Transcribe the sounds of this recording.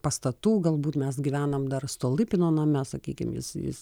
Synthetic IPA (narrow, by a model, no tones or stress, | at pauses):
pɐst̪ɐt̪uːɡɐlˠbuːt̪mʲɛsɡʲiʋʲæːnɐmd̪ɐrst̪oːlˠɪpʲɪnoːnɐmʲɛsɐkʲiːkʲɪ̰mjɪ̰sjɪ̰s